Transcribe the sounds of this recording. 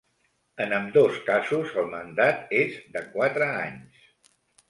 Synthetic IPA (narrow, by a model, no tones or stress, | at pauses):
ənəmd̪oskazuzəlˠmənd̪at̪ezd̪əkwat̪ɾəaɲs